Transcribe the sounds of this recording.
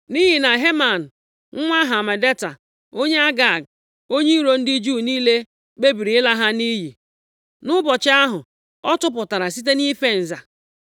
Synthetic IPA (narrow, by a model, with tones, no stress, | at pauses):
ni˦ɦi˨na˨ɦe˦ma˨n̩˨ | ŋ̩˦ŋʷa˦ɦa˨ma˨de˦ta˨ | o˦ɲe˦a˦ɡa˨ɡ̚ | o˦ɲe˦ɾo˨n̩˦dɪ˦d͡ʒuː˦˨niː˦le˦ | k͡pe˦bi˨ɾi˨ɪ˦la˦ɦa˦ni˦ɦi˨ | nʊ˦bɔ˨t͡ʃɪ˦a˦ɦʊ˨ | ɔ˦tʊ˦p̬ʊ˨ta˨ɾa˨si˦t̬e˦ni˦fe˦n̩˨za˨